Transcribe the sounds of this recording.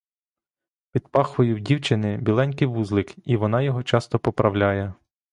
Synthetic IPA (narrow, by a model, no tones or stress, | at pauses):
pʲid̪pɑxʋɔjʊwdʲiwt͡ʃɪnɪbʲilˠɛnʲkɪʋuzlˠɪkiʋɔnɑjɔɦɔt͡ʃɑst̪ɔpɔpɾʔɐwlʲajɛ